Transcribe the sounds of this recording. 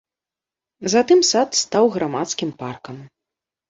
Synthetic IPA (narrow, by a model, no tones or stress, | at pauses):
zat̪ɨmsat̪st̪awɣɾamat̪skʲimparkɐm